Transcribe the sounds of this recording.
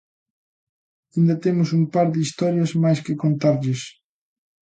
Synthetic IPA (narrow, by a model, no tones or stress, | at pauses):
ĩnd̪ɐt̪emʊsumpaɾðɪist̪ɔɾjɐzmajskɪkõnt̪aɾʎɪs